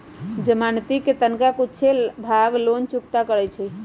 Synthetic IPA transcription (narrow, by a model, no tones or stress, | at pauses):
d͡ʒəmant̪iket̪ənkakut͡ʃʰebʱaɡlont͡ʃukt̪akəɾɛt͡ʃʰɛ